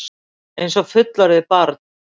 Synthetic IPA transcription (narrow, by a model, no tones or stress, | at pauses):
ejnsɔfʏt̪laɾɪðɪpaɾt̪̚n